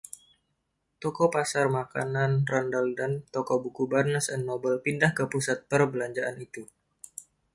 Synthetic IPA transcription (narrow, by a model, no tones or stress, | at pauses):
t̪ɔkɔpasarmakananrandaldant̪ɔkɔbukubarnəsɛnːobəlpindahkəpusat̪̚pərbəlaɲd͡ʒaʔanit̪u